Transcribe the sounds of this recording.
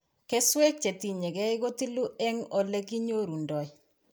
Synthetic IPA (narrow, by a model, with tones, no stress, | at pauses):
ke˦swɛ˦k̚t͡ʃe˨ti˨ɲe˨ɣɛ˦ɪ˦ɣo˦ti˦lu˦ʔɛ˦ŋo˨le˦ki˦ɲo˦ɾu˨ndɔ˨j